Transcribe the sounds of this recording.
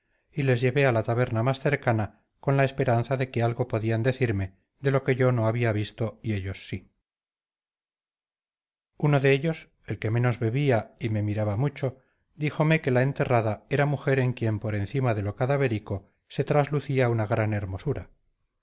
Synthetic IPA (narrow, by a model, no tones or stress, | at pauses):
ile̞zʝe̞βe̞alat̪aβe̞ɾnamasθe̞ɾkana | ko̞nlae̞spe̞ɾanθaðe̞ke̞alɣo̞po̞ðiand̪e̞θiɾme̞ | ðe̞lo̞ke̞ʝo̞no̞aβ̞iaβist̪o̞ie̞ʎo̞sːi | uno̞ðe̞eʎo̞s | e̞lke̞mẽ̞no̞zβe̞βiaime̞miɾaβamut͡ʃo̞ | d̪ixo̞me̞ke̞lae̞nt̪e̞raðae̞ɾamuxe̞ɾe̞ŋkje̞mpo̞ɾẽ̞nθimaðe̞lo̞kaðaβe̞ɾiko̞ | se̞t̪ɾazluθiaunaɣɾane̞ɾmo̞suɾa